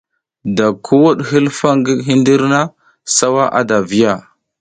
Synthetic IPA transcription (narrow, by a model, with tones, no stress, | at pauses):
da˨kʰu˦wu˦ɗɦi˦lfa˦ŋɡi˦ɦi˦ndi˦ɾna˦ | sa˦wa˦ʔa̰˦da˨vi˦ja˨